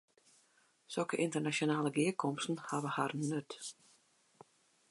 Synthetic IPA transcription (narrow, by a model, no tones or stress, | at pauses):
sølˠkəʔɪntərnasonaːləɡɪəkʰɔmstn̩haʋəharnøt